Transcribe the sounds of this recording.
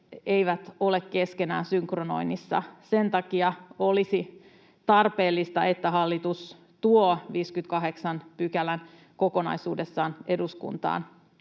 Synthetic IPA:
eiʋæt̪ole̞kke̞skenæ̰ːnsyŋkrono̞̰inisːɑ̰se̞nt̪ɑkiɑo̞lisi | t̪ɑrpe̞ːlːist̪ɑʔet̪ːæɦɑlːit̪us | t̪uoːʋiːskyt̪kɑɦe̞ksɑnpykælæn | ko̞ko̞nɑ̰isuːdesːɑːneduskṵnt̪ɑ̰ːn

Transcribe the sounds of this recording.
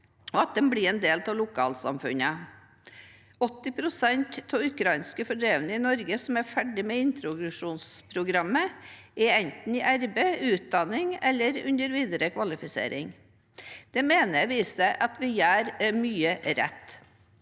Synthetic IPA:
ɔɑt̪̚d̪ɛmblɪɾɛnd̪eːlt̪ʰɑʋlʊkʰɑ̰ːlsɑ̰mfʉnə | ɔt̪ːɪpʰɾʊsɛnt̪ʰːɔːʉkʰɾɑɪnskəfɔɖɾeːʋnəɪnɔɾɡəsɔmæɾfæɖɪmeːɪnt̪ɾʊɡɾʉʂuːnspʰɾʊɡɾɑmːəɛɛnt̪n̩ɪʔæɾbəʉːt̪̚d̪ɑnɪŋɛlːəɾʉ̰nd̪əɾʋiːd̪əɾəkʰʋɑlɪfɪsḛːɾɪ̰ŋ | d̪̥ɛmeːnəʋiːsəʔɑt̪ʋɪjæːɾmyːəɾɛ̰t̪ː

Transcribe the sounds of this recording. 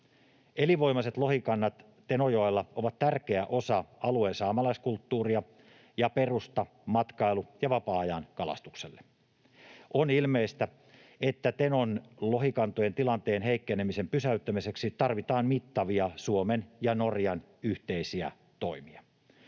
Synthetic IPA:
eliʋo̞jmɑset̪lo̞hikɑnːɑt̪ | t̪e̞nojoelːɑoʋɑt̪t̪ærkeæʔo̞sɑɑlueːnsɑːmɑlɑiskult̪ːuːriɑ | jɑperust̪ɑ | mɑt̪kɑilujɑʋɑpɑːɑjɑnkɑlɑ̰st̪ukselːe | onilmeist̪æ | et̪ːæt̪enonloɦikɑnt̪oje̞nt̪ilɑnt̪eːnɦeikːenemisempysæyt̪ːæmise̞ksit̪ɑrʋit̪ɑːnmit̪ːɑʋiɑsuomenjɑno̞rjɑn | yht̪eisiæ̰ | t̪o̞imiɑ

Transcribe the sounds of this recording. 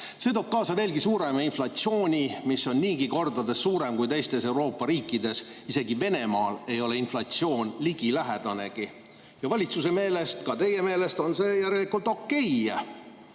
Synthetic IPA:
se̞ːt̪o̞ːb̥̚kɑːsɑve̞ːlɡisuːɾe̞mɑinflɑt̪sio̞ːnʲimisːo̞nniːɡiko̞rd̪ɑd̪e̞sːuːɾe̞mkujt̪e̞jst̪e̞se̞wɾo̞ːpːˑɑɾiːkːˑid̪e̞s | ise̞ɡive̞ne̞mɑːle̞jo̞le̞inflɑt̪sio̞ːnʲliɡ̥ilæɦed̪̥ɑne̞ɡ̥i | jɑvɑlʲit̪suse̞me̞ːle̞st̪kɑt̪e̞je̞meːle̞st̪o̞nse̞ːjæɾelikːult̪ˑo̞kːe̞jɑ

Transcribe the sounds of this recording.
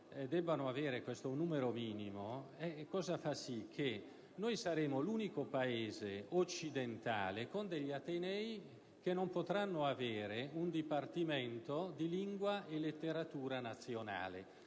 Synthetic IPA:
d̪ɛbːanoaveːɾekwest̪onuːmeɾomiːnimoɛkːɔːzafasikʰːe | nojsaɾeːmoluːnikopaeːzeot͡ʃːid̪ent̪a̰ːlekond̪eʎːat̪enɛj | k̟enːompot̪ɾanːoaveːɾeund̪ipart̪iment̪od̪iliŋɡwaʔelet̪ːeɾat̪uːɾanat̪sːjona̰ːlḛ

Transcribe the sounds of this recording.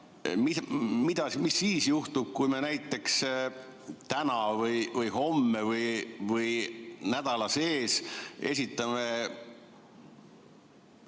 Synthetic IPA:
mimid̪̥ɑsmisːiːsjuht̪ub̥̚kujme̞næjt̪ːˑe̞ks | t̪ænɑvɯjvɯjɦo̞mːevɯjvɯjnæd̪̥ɑlɑse̞ːse̞̰sʲit̪ːˑɑme̞

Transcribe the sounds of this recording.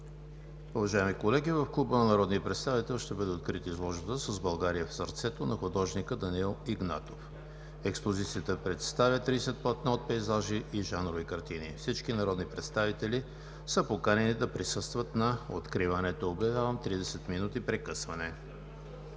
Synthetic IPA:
ʊvɐʒaɛmikolɛɡivɐfklˠubənɐnɐɾɔd̪niəpɾɛt̪st̪avit̪ɛlˠʃt̪ɛbəd̪ɛot̪kɾit̪izlˠɔʒbət̪əsəzbɐlˠɡaɾijəfsɐɾt̪sɛt̪onɐxʊd̪ɔʒnikəd̪ɐniilˠiɡna̰t̪of | ɛkspozit̪sijət̪əpɾɛt̪st̪avʲjət̪ɾisɛt̪̚pɐt̪naot̪̚pɛjzaʒiʔiʒanɾovikɐɾt̪inifsit͡ʃkinɐɾɔd̪nipɾɛt̪st̪avit̪ɛli | səpokanɛnid̪ɐpɾisɤst̪vət̪nɐo̰t̪kɾivənɛt̪oobjɐvʲjavəmt̪ɾid̪ɛsɛt̪minut̪ipɾɛkɤsvɐnɛ

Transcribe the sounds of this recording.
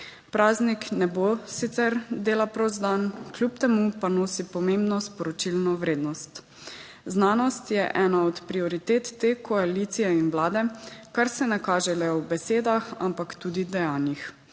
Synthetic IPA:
pɾaːzniknɛbosit̪sɛɾd̪eːlapɾɔzd̪ankljup̚t̪ɛmupanoːsipɔmẽmbnɔspɔɾɔt͡ʃilnɔwɾeːd̪nɔst̪ | znaːnɔst̪jɛʔɛːnaɔt̪pɾiɔɾit̪eːt̪ːeːkɔaliːt̪sijɛinʋlaːd̪ɛkaɾsɛnɛkaːʒɛlɛwbɛseːd̪axa̰mpakt̪uːd̪id̪ɛjaːnjix

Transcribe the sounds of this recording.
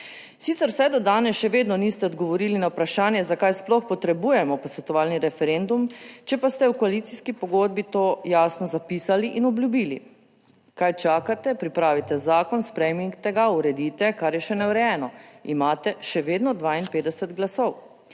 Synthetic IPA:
sit̪sɛɾwsɛjd̪ɔd̪aːnɛsʃɛʋeːd̪nɔnist̪ɛɔd̪ɡɔʋɔɾiːlinawpɾaʃaːnjɛzakajsplɔxpɔt̪ɾɛbujɛmɔpɔsʋɛt̪ɔʋaːlniɾɛfɛɾend̪umt͡ʃɛpast̪ɛwkoalit̪siskipɔɡoːd̪̚bit̪oːjaːsnɔzapiːsaliʔinɔblʲjubiːlḭ | kajt͡ʃaːkat̪ɛpɾipɾaːʋit̪ɛzaːkɔnspɾɛjmiŋkt̪ɛɡauɾɛd̪iːt̪ɛkaɾjɛʃɛnɛwɾɛjɛːnɔimaːt̪ɛʃɛʋeːd̪nɔd̪ʋainpeːd̪ɛsɛt̪ɡlasow

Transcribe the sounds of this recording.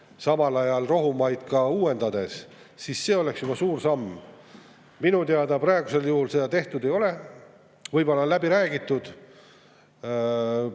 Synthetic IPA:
sɑmɑlɑjɑlro̞ɦumɑjd̪̥kɑuːe̞nd̪̥ɑd̪e̞s | sisːe̞ːo̞leksjubɑsuːrsɑmː | minut̪eɑd̪ɑprɑe̞ɡ̥use̞ljuhulse̞d̪ɑt̪e̞ht̪ud̪e̞jo̞le̞ | vɯjbo̞lːɑlæbiɾæːɡit̪ːˑud̪̥

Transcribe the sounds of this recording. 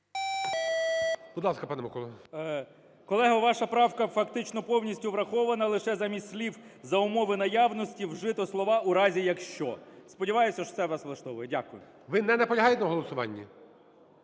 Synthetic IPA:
b̥ʊd̪lˠɑskɐpɑnɛmɐkɔlˠɐ | kɔlˠɛɦɐʋɑʃɐpɾɑwkɐfɐkt̪ɪt͡ʃnɔpɔwnʲisʲtʲʊʋɾɐxɔʋɐnɐlˠɪʃɛzɐmʲisʲlʲiwzɐʊmɔʋɪnɐjɑʋnɔsʲtʲiwʒɪt̪ɔslˠɔʋɑʔuɾɑzʲijɐkʃt͡ʃɔspɔdʲiʋɑjʊsʲɐʃɔ̥t̪sɛʋlɑslˠɐʃt̪ɔʋʊjɛdʲakʊjʊ | ʋɪnɛnɛpɔlʲɐɦɑjtʲɛnɐɦɔlˠɔsʊʋɑ̰nʲːi

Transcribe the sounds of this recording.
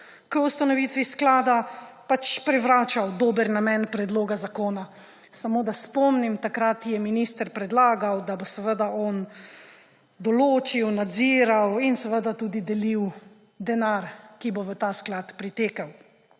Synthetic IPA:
kəust̪anɔʋiːt̪ʋisklaːd̪apat͡ʃpɾɛʋɾaːt͡ʃawd̪oːbəɾnamɛnpɾɛd̪loːɡazakoːna | samoːd̪aspɔmnimt̪akɾat̪jɛminist̪əɾpɾɛd̪laːɡawd̪abosəʋəd̪aʔɔn | d̪ɔloːt͡ʃiwnad̪ziːɾawinsɛʋəd̪at̪uːd̪id̪ɛliw | d̪ɛnaɾkiboʋət̪asklat̪pɾit̪eːkaw

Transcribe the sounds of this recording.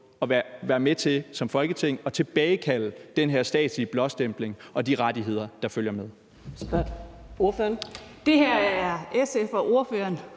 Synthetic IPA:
ɒ̽ʋʋæːɐmet͡sʰe̝sɒ̽mfɒ̽lɡ̥ət͡sʰe̝ŋ̰ɒ̽t͡sʰe̝b̥ɛːɪkʰæl̰d̥enɦeɐsd̥ɛ̰ːd̥sliəb̥lɒ̥̽sd̥em̰b̥le̝ŋʔɒ̽d̥iʁɑ̈d̥iɦe̝ð̞̰ˠɐd̥ɑ̈føl̰jɐmeð̞ˠ | sb̥o̝ɐføːɐnd̥e̝hæɐ̰æɐesefɒʔo̝ɐføɐn

